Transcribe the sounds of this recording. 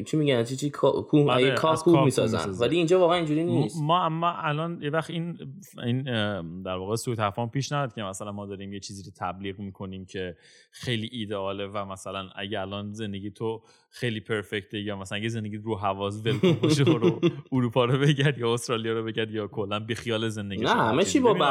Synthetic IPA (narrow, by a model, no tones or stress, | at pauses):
t͡ʃʰimiɡænt͡ʃʰit͡ʃʰikʰkʰuhɾekʰɒːkʰːuɒːmisɒ̰z̰nzvæliːnd͡ʒɒːvɒːɣeæniːnd͡ʒuɾiːnismɒːmʔælɒnjevæxt̪in | ind̪æɾvɒːɣesut̪ʰæfɒmpʰiːʃnævæd̪̚cʰemæsælænmɒːd̪ɒːɾiːmjet͡ʃʰiːziːɾot̪ʰæbliːɣmiːkʰo̞niːmcʰe̞ | xejliːʔiːd̪eɒːlevæmæsælænæ̰ɟeælɒːnze̞nd̪e̞ɟijt̪ʰo | xejliːpʰe̞ɾfect̪ʰejɒːmæsælænæɟezend̪eɟiːt̪ɾuɦævɒːs̬velkoboʃoɾouɾuːpʰɒːɾobeɟæɾd̪jɒːost̪ɾɒːlijɒːɾobe̞ɟæɾd̪jɒːkʰolːænbexijɒːleze̞nd̪eɡinæhæmet͡ʃʰibɒæ